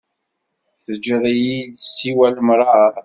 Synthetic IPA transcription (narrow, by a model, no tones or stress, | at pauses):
θəd͡ʒːðˤijid̪sːiwæləmɾˤɑɾˤ